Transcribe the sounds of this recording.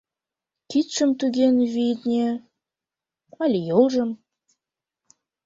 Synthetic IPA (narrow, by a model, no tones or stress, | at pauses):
kit̪ʃə̆mt̪yɣenβid̪nʲe | ɑlʲijolʒə̆m